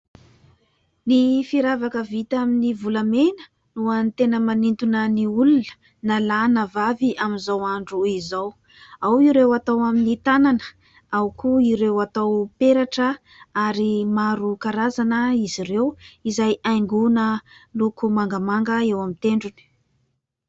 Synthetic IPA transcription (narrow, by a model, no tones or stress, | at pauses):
nifiɾavakəvit̪aminivulamenə̥ | nuant̪enəmanint̪unəniulunə̥ | nalanəvaviaminzawaɳɖ͡ʐuizaw | awiɾewat̪awaminit̪ananə̥ | awkuiɾewat̪awpeɾaʈ͡ʂə | aɾimaɾukaɾazanəiziɾewizajajŋɡunəlukumaŋɡamaŋɡəewamit̪eɳɖ͡ʐuni̥